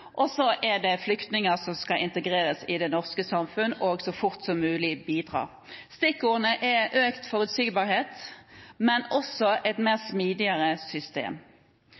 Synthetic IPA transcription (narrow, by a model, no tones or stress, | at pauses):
ʔɔsɔʔɛd̪ɛflʏkt̪nɪŋəʁsɔmskɑʔɪnt̪əɡʁeːʁəsɪd̪ɛnɔʁskəsɑmfʉnʔoɡsɔfʊʁt̪sɔmːʉːlɪbiːd̪ʁɑ̰ː | st̪ɪkuːʁnəʔɛʔøːkt̪fɔʁʉt̪syːɡbɑʁheːt̪mɛnɔsɔɛt̪meːʁsmiːd̪ɪəʁəsʏst̪ḛːm